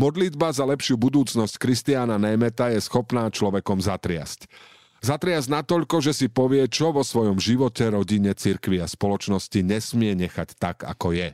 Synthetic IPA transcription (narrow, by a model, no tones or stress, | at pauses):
mɔd̪lid̪bazalɛpʃɪuːbud̪uːt͡snɔsckɾist̪iaːnanɛmɛt̪ajɛsxɔpnaːt͡ʃlɔʋɛkɔmzat̪ɾɪa̰sc | zat̪ɾɪazɟnat̪ɔʎkɔʒɛsipɔʋɪɛt͡ʃɔʋɔsʋɔjɔmʒiʋɔcɛɾɔɟiɲɛt͡siɾkʋiaspɔlɔt͡ʃnɔsciɲɛsmɪɛɲɛxact̪aka̰kɔjɛ